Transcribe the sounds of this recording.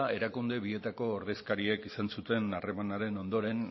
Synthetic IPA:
e̞ɾakund̪e̞βie̞t̪ako̞ːɾðe̞skaɾie̞kisansut̪e̞nare̞manaɾe̞no̞nd̪o̞ɾe̞n

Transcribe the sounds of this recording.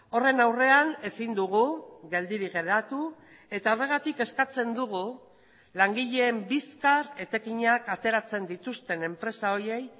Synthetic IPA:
o̞re̞nawre̞ane̞sind̪uɣuɣe̞ld̪iɾiɣe̞ɾat̪u | e̞t̪ao̞re̞ɣ̞at̪ike̞skat͡se̞nd̪uɣ̞u | laŋɡiʎe̞ːmbiskaɾe̞t̪e̞kiɲakat̪e̞ɾat͡se̞nd̪it̪ust̪e̞ne̞mpɾe̞sao̞je̞j

